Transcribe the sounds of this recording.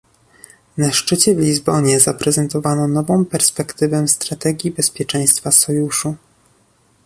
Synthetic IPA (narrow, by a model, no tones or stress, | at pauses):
naʂt͡ʂɘt͡ɕɛvlʲizbɔɲɛzapɾɛzɛnt̪ɔvanɔnɔvɔ̃w̃pɛɾspɛkt̪ɘvɛst̪ɾat̪ɛɡʲjibɛspʲjɛt͡ʂɛ̃j̃st̪fasɔjuʂu